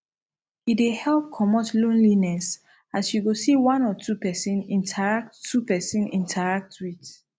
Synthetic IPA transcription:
idehɛlp̚kʰɔmotlõnlinɛs | asjuɡosiwãnɔtʰupɛsĩnĩntʰaɹak̚ttʰːupɛsĩnĩntʰaɹak̚twit

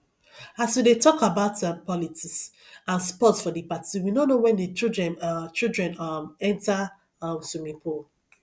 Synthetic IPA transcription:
aswidetɔkabaʊtãpɔlitiks | ãnspɔtsfɔdipatʰiwinõnowɛ̃ndit͡ʃildɹɛ̃nt͡ʃildɹɛ̃namɛ̃nta | amsumipʰu

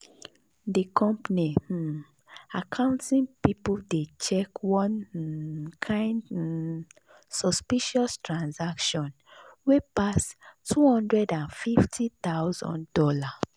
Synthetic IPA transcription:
dikʰɔ̃mpni | akʰãʊ̃ntĩnpipudet͡ʃɛkwɔ̃n | kʰãɪ̃nd | sɔspiʃɔstɹãnsakʃɔ̃n | wepastʰːuhɔ̃ndɹɛdãnfiftʰit̪awzɔ̰̃ndɔla

